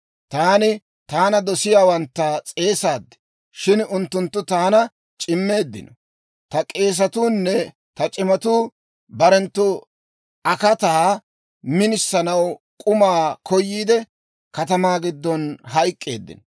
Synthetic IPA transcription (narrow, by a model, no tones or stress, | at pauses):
t̪aːnɪ | t̪aːnɐd̪ɔsɪjaːwɐnt̪ːɐt͡sʼe̞ːsaːd̪ːɛ̥ | ʃɪnʊnt̪ːʊnt̪ːʊt̪aːnɐ | t͡ʃʼɪmːe̞ːd̪ːɪ̰nɔ | t̪ɐkʼe̞ːs̬ɐt̪uːnːɛ | t̪ɐt͡ʃʼɪmɐt̪uː | bɐɾɛnt̪ːʊ | ɐkɐt̪aː | mɪnɪsːɐnɐw | kʼʊmaːkʰɔjːiːd̪ɛ | kɐt̪ɐmaːɡɪd̪ːɔnɦɐjkʼːe̞̰ːd̪ːɪ̰nɔ